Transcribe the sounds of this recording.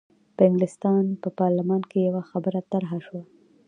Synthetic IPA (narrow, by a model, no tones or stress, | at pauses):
pəɪŋɡlɪst̪ɑnpəpɑɾlɪmɑnkejawaxabəɾat̪aɾɦaʃwa